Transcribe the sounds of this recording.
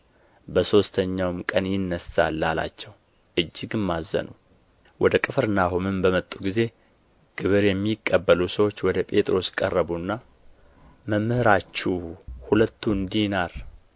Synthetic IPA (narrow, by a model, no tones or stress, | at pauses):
bəso̞st̪ʰəɲːawmkʼənjɪnːəsa̰lːala̰t͡ʃːɛw | ʔɨd͡ʒːɪɡɨmːazːə̰nu | wɔd̪əkʼɨfɨɾɨnːaɦumɨmbəmət̪ʼːuɡize̞ | ɡ̥ɨβɨɾjɛmːikʼːəbːəlusəwo̞t͡ʃːwɔd̪əpʼe̞t̪ʼɾo̞skʼərːəβunːa | məmːhɨɾat͡ʃːuhulət̪ːuɨnd̪inaɾ